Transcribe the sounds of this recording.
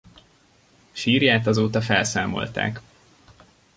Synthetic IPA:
ʃiːrjaːt̪ɒzoːt̪ɒfɛlsaːmo̞̰lt̪a̰ːk

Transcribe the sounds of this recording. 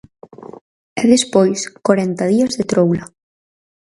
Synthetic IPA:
ɛðespojskwaɾɛnt̪ɐðiɐzðet̪ɾowlɐ

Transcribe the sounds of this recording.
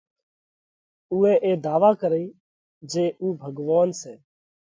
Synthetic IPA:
uːẽːʔeːd̪aːʋaːkəɾiː | d͡ʒeːʔuːbʱəɡʋaːnsɛː

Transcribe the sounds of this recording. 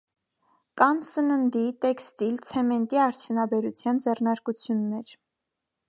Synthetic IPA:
kɑnsənənd̪it̪ɛkst̪ilt͡sʰɛmɛnt̪iɑɾt͡sʰjunɑbɛɾut͡sʰjɑnd͡zɛrnɑɾkut͡sʰjunːɛɾ

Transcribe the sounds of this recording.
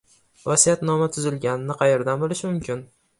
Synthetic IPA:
vasijat̪nɒmat̪ʰʊzɪlɡʲanɪnɪqʰɑjeɾd̪anbolˠɪʃmʊmkʲɪn

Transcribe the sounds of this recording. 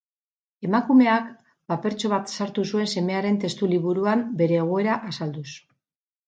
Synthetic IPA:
e̞makume̞ak | pape̞ɾt͡ʃo̞β̞at̪saɾt̪usue̞nse̞me̞aɾe̞nt̪e̞st̪uliβuɾuambe̞ɾe̞ːɣ̞o̞e̞ɾaʔasald̪us

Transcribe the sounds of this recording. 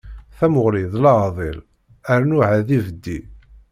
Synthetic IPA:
θæmʊʁliðˤlɑʁðˤḛl | əɾnʊʕaðivəd̪ːi

